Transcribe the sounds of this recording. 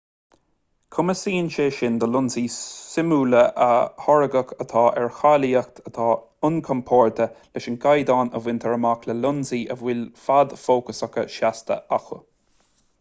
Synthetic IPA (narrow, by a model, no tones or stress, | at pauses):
kʰʊməsiːənʃeʃɪnd̪əlʊnziːsɪmuːləʔəhɔɹəɡəkʰət̪ʰɑːʔɛɹxaliːəxt̪ʰət̪ʰɑː | ʊnkʰɔmpʰɔːɹt̪ʰəlɪʃənɡajd̪ɑːnəvwɪnt̪ʰɛɹəmakləlʊnziːʔəvwɪlfad̪foːkəsəkəʃast̪ə̰axə̰